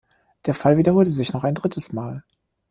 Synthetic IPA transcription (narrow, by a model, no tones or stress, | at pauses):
d̥eːɐfalviːdɐhoːltəzɪçnɔχaɪndʁɪtʰəsmaːl